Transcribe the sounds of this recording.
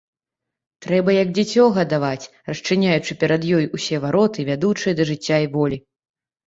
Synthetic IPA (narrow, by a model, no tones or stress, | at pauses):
t̪ɾɛbɐjɐɡd͡zʲɛt͡sʲɔɣɐd̪avat͡sʲ | rɐst͡ʂɨnʲajut͡ʂɨpʲɛɾɐd̪jɔjusʲɛvaɾɔt̪ɨvʲad̪ut͡ʂɨjɐd̪ɐʐɨt͡sʲːaivɔlʲi